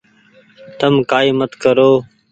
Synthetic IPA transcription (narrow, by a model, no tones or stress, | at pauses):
t̪əmkaːiːmət̪kəɾoː